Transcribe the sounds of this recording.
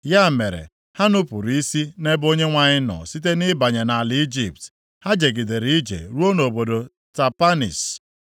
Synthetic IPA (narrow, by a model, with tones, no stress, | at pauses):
ja˦˨me˨ɾḛ˨ | ha˦nʊ˦pʊ˨ɾi˦si˦ne˦bo˦ɲe˦ŋʷa˦ɲɪ˦nɔ̰˨si˦t̬e˦nɪ˦ba˨ɲe˨na˨lɪ˨˦i˦d͡ʒi˨p̚t | ha˦d͡ʒe˨ɡɪ˨de˨ɾi˨˦i˦d͡ʒḛ˨ɾu˦o˦no˨bo˨do˨ | ta˨pa˦nḭ˨s